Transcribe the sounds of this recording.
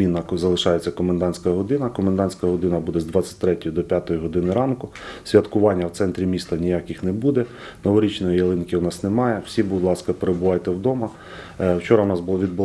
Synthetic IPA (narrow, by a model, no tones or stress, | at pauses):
inːɐzɐlˠɪʃɑjet͡sʲːɐkɔmnd̪ɑnʲsʲkɐɦɔd̪ɪnɐkɔmend̪ɑnʲsʲkɐɦɔd̪ɪnɐbud̪ɛzd̪ʋɑt͡sʲːɐ̥t̚ʲt̪ɾɛtʲɔjid̪ɔpʲjat̪ɔjiɦɔd̪ɪnɪɾɑnkʊ | sʲʋʲjɐt̪kʊʋɑnʲːɐwt̪sɛnt̪ɾʲimʲist̪ɐnʲijakʲɪxnɛbud̪ɛ | nɔʋɔɾʲit͡ʃnɔjijɐlˠɪnkʲɪwnɑsnemɑjɛw̥sʲibʊd̪lˠɑskɐpeɾebʊʋɑjt̪ɛwd̪ɔmɐ | wt͡ʃɔɾɐwnɑsbʊlˠɔʋʲid̪̚bʊl